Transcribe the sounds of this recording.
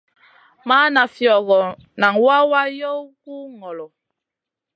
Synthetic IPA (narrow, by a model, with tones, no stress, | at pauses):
ma˦na˨fjɔ˨ɣɔ˨ | na˨ŋwa˦wa˦jɔ˦wku˦ŋɔ˨lɔ˨